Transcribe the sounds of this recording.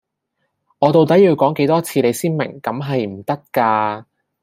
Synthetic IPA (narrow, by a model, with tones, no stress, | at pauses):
ŋɔː˨˧t̪o˨wt̪̬ɐ˨˥jiː˨˧wkɔː˨˥ŋke˨˥jt̪ɔː˥t͡sʰiː˧ne˨˧jsiː˥nmɪ̰˨˩ŋkɐ˨˥mɦɐ˨jm̩˨˩t̪ɐ˥k̚kaː˧